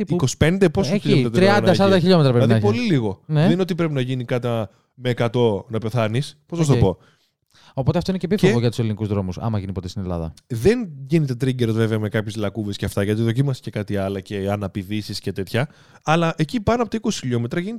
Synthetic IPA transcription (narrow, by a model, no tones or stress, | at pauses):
iko̞si̥pe̞nd̪e̞posɐçiʎoet̪ɾɐt̪ɾiɐnnd̪ɐssɐɐd̪ɐçiʎomet̪ɾɐpɾnɐðpo̞liliɣo̞neðenineot̪ip̬ɾe̞pinɐʝinikɐt̪iɐ | me̞ːkɐt̪o̞nɐpe̞θɐnispo̞zɐs̬t̪ɐpo̞ | o̞po̞t̪eft̪oineepifoevoʝɐt̪use̞linikuzðɾo̞musɐ̰mɐʝinipo̞t̪est̪ine̞lɐ̰ðɐ̰ðenʝinet̪e̞t̪ɾiɲɟeɾozve̞veɐme̞kɐpçezlɐkuvesceɐft̪ɐʝɐt̪iðo̞cimɐsi̥ce̞kɐt̪iɐlɐce̞ɐnɐpiðisisce̞t̪e̞t̪çɐː | lɐʔecipɐnoɐpot̪ɐiko̞si̥çiʎo̞me̞t̪ɾɐʝinet̪